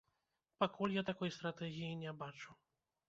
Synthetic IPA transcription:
pakulʲjat̪akɔjst̪ɾat̪ɛɣʲijinʲɛbat͡ʂu

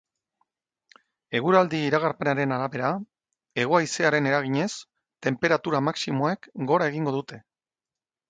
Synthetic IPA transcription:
e̞ɣ̞uɾald̪iːɾaɣ̞aɾpe̞naɾe̞naɾaβe̞ɾa | e̞ɣ̞oajse̞aɾe̞ne̞ɾaɣiɲe̞s | t̪e̞mpe̞ɾat̪uɾamaksimo̞ekɡo̞ɾae̞ɣiŋɡo̞ðut̪e̞

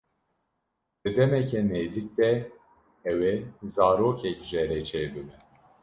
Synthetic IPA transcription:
d̪̥ɨd̪ɛmɛcʰɛneːzik̚d̪ɛ | ɛwezaːɾoːkʰɛcʒɛɾɛt͡ʃʰeːbɨbɨn

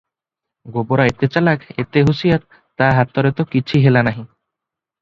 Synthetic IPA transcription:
ɡoboɾaet̪et͡ʃalaket̪eɦusijat̪ː | aɦat̪ɔɾet̪ɔkit͡ʃʰiɦelanaɦĩ

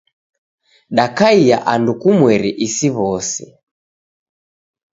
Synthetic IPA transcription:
ɗakaija̰ʔandukumwɛɾiʔisiβɔsḭ

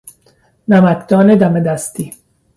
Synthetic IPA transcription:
næmækd̪̥ɒːned̪æmed̪æst̪i

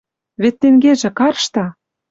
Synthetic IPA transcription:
βet̪ːeŋɡeʒĕkɑrʃt̪ɑ

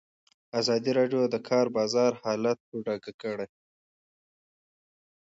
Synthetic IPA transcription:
azɑd̪iɾɑɖjod̪əkʰɑɾbɑzɑɾhɑlat̪̚poɖɑɡakəɽej

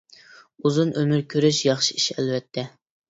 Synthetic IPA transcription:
uzunʔømyɾkʲʰøɾyʃjɑχʃiiʃɛlvɛt̪ʰːɛ

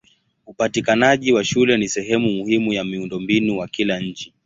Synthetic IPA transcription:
upatikanaʄiwaʃulɛnisɛɦɛmumuhimujamiundɔmbinuwakilaɲ̩t͡ʃi

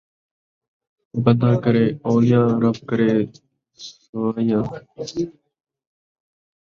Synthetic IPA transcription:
bənãːkəɾeːoːjãːɾəbkəɾeː | ʋaːjãː

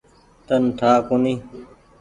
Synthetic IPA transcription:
t̪ənʈ̪ʰaːkuniː

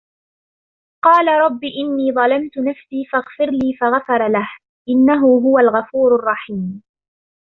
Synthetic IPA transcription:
qɑːlaɾˤɑbːiːʔɪnːiːðˤɑlamt̪ʊnafsiːfaɣfɪɾliːfaɣafɑɾˤlah | ʔɪnːaɦʊɦʊwalɣafuːɾɑrˤːɑħiːm

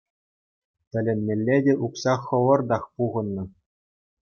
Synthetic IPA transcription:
t̪ʲɘ̆lʲɘ̆nːʲelʲːedʲeʔuksɑχːɤ̆ʋɤ̆rd̪ɑχpuʁɤ̆nːɤ̆

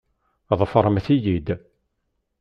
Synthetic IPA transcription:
ðˤfəɾˤəmθijid̪

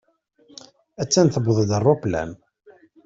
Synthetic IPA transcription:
æt͡sːænθəbðˤd̪ərˤːoplæ̰n

